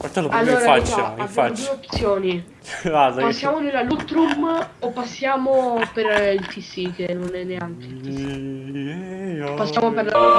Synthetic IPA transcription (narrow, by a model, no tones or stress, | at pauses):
aɾt̪anoalːoːɾaat͡ʃt̪aabjaod̪ueop̪sjoːni | adapasːjaːmonelːalut̪ɾumopːasːjaːmopeɾilt̪isikenːonɛnːeaŋk̟eilt̪isi | pasːjaːmopeɾla